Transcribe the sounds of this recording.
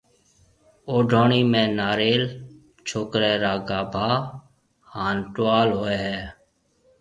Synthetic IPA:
oːɖʱoːɳiːmẽːnaːɾeːl | t͡ʃʰoːkɾɛːɾaːɡaːbʱaː | haːnʈaːlɦoːɛːɦɛː

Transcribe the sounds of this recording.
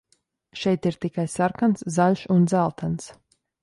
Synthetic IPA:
ʃɛjt̪iɾt̪ikajsaɾkanszaʎʲʃund̪zælˠt̪ʰans

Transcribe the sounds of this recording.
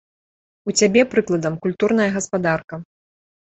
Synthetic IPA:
ut͡sʲabʲɛpɾɨklˠɐd̪ɐmkulʲt̪urn̪ɐjɐɣɐspad̪arkɐ

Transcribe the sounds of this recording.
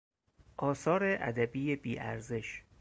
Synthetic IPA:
ʔɒːsɒːɾeʔæ̰d̪æbiːjebiːʔæ̰ɾze̞ʃ

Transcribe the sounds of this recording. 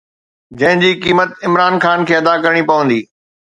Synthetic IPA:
d͡ʑɐ̃ɦɪ̃ɲd͡ʑiːkiːmət̪ɪmɾaːnxaːnkʰeːɐd̪akɐɾɽ̃ipɐʋə̃nd̪iː

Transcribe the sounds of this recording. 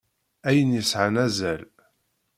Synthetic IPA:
æjənjəsʕənæzæl

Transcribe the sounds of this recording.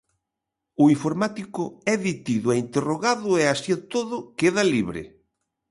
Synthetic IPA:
ʊiɱfoɾmat̪ikʊɛðit̪iðʊɛint̪eroɣaðʊeasiat̪oðʊkeðɐliβɾɪ̰

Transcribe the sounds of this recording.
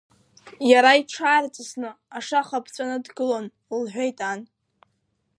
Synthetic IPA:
jaɾaiʈ͡ʂʰaːrt͡sʼɨsnɨaʂaχapʰt͡sʷʼanɨdɡɨlon | lħʷᶣejtʼan

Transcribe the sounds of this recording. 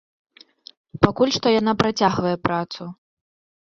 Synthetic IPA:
pakulʲʂt̪ɔjan̪apɾat͡sʲaɣvɐjɛpɾat̪su

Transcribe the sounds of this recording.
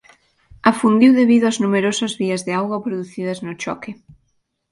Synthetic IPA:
afund̪iwðeβiðʊɐznumeɾosɐzβiɐzðɪawɣwɐpɾoðuθiðɐznʊt͡ʃɔ̰kɪ

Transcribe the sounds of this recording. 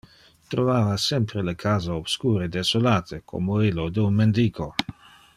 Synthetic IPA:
t̪ɾovaːvasɛmpɾelekʰaːzaob̥skuːɾed̪esolaːt̪ʰekʰo̰moilːod̪eunmend̪iːkʰo

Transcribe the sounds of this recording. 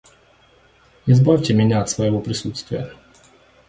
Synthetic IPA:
ɪzbɔwʲtʲɛmʲɪnʲaːt̪svɐjɛvɔpɾʲɪsut̪st̪vʲɪjə̰

